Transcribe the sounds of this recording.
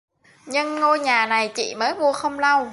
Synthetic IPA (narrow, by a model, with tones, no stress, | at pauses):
ɲɨ˧ŋːo˧jɲaː˨˩na˨˩jt͡ɕḭ˧˨məː˨˦jvu˧əxə˧wŋ͡mla˧w